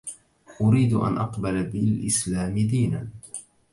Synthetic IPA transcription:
ʔʊɾiːd̪ʔa̰nʔɑqbalbɪlʔɪslaːmɪd̪iːnan

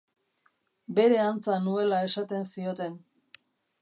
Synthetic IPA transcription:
be̞ɾe̞ant͡sanue̞lae̞sat̪e̞nsio̞t̪e̞n

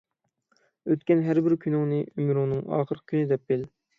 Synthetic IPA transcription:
øt̪kʲɛnɦæɾbɪɾkʲʰynɪŋnɨʔymɾuŋnɨŋɑ̰ːχəɾqʰkʰʲynɪd̪ɛp̚bel

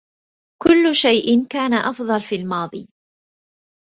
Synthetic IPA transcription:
kʊlːʊʃajʔɪnkaːnaʔɑfðˤɑlfiːlmɑːðˤḭː

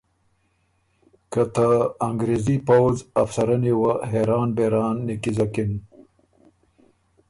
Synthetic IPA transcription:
kət̪aːŋɡɾezipawzafsɐɾaniwaɦeɾɑːnbeɾɑːnːekizakin

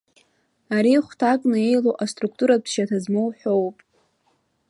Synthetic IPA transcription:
aɾiχʷtʰakʼnɨe̞jloʔastʼruk̚ʰtʼuɾapʰʃatʰazmowħʷᶣo̞wpʼ

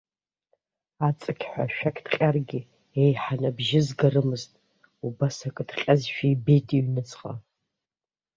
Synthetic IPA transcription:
at͡sʼɨkʲʰħʷa̰ʃᶣɐkʰʼtʰqʲʼarɡʲɪ | ejħanɐbʒɪzɡɐrɨmɨztʼ | ubɐsɐkʼɨtʰqʲʼɐzʃᶣiːbeːtʼiɥnɨt͡sʰʼqʼɐ̰

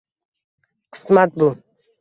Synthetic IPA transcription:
qʰɨ̥smat̪̚bu

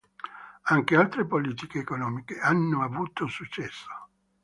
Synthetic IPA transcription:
aŋk̟ealt̪ɾepoliːt̪ikeːkonɔːmikeanːoavuːt̪osut͡ʃːɛsːo̥

